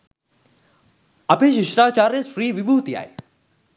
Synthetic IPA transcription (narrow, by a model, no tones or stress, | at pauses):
ɐpeːʃɪʃɾaːt͡ʃaːɾesfɾiːʋibuːt̪ija̰ːḛ